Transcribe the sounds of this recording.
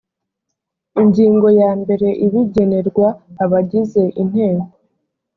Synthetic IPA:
iɲɟiːŋɡo̞jaːmbe̞ɾe̞ʔiβiɟe̞ne̞ɾɡwaːβaɟize̞ʔin̥he̞ːŋɡo

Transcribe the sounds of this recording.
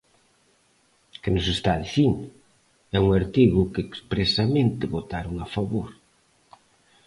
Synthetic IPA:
kɪnʊsest̪aðiθiŋ | ɛuŋaɾt̪iɣʊkeːkspɾesamẽnt̪ɪβot̪aɾʊŋafaβoɾ

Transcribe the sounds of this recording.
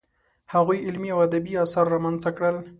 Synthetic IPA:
haɣujɪlmiawad̪abiɑsɑɾːamanzakɽəl

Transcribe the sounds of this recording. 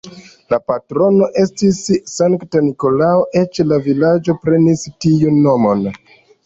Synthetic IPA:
lapatɾo̞no̞ʔe̞stisːaŋktaniko̞laoʔe̞t͡ʃlavilad͡ʒo̞pɾe̞nistijunːo̞mo̞n

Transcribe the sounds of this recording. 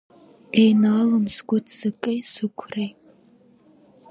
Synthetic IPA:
ejnaːlɨmsɡʷʊtʰsɨkʼejsɨkʷʰrej

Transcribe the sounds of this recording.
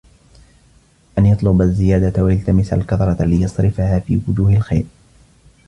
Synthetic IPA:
ʔanjɑt̪ˤlʊbazːɪjaːd̪awajalt̪amɪsa̰lkɑθɾˤɑlɪjɑsˤɾɪfahaːfḭːwʊd͡ʒuːhalxa̰jɾ

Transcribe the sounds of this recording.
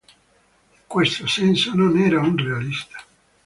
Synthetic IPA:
iŋkwest̪osɛnsononɛːɾaunrealist̪ḁ

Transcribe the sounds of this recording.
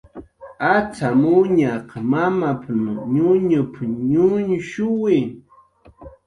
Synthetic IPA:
at͡samʊɲaqmamapnɲʊɲʊpɲʊɲʃʊwɪ

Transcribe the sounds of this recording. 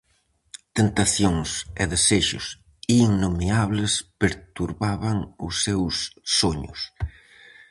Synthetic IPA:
t̪ent̪aθjoŋseðeseʃʊs | iŋnomeaβlespeɾt̪uɾβaβaŋʊsewsːoɲʊ̰s

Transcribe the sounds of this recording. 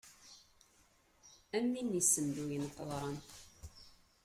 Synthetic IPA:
æmːinːisːəmd̪ujənəqːəðˤɾˤɑn

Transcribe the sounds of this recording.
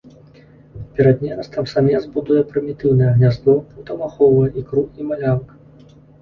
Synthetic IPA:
pʲɛɾɐd̪nʲɛɾɐst̪ɐmsamʲɛzbud̪ujɛpɾɨmʲit̪ɨwnɐjɛɣnʲazd̪ɔuwt̪ɐmaxɔvɐjɛʔikɾuimalʲank

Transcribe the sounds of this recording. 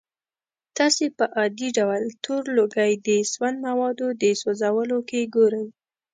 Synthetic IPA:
t̪ɑsepəʔɑd̪iɖawəlt̪ʰoɾloɡajd̪əswand̪mawɑd̪od̪əsozawəlokeɡoɾəj

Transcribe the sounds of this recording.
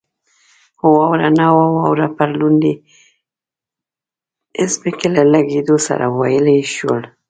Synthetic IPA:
hʊwawɾanawawawɾapaɾlund̪i | ɪsbekelalaɡed̪osa̰ɾʔa̰wajəlajʃwə̰l

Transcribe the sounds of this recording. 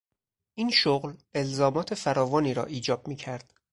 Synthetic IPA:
ʔiːnʃoɣle̞lzɒːmɒːt̪ʰe̞fæɾɒːvɒːniːɾɒ̰ːʔiːd͡ʒɒːb̥̚miːcʰæɾd̪̥

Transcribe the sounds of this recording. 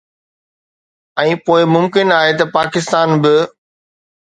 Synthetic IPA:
ɛ̃ːpoːɪmʊmkɪnaːɦet̪ɐpaːkɪst̪aːnbɪ

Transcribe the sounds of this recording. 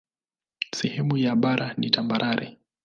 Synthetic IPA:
sɛhɛmujaɓaɾʔanitambaɾʔaɾɛ̰

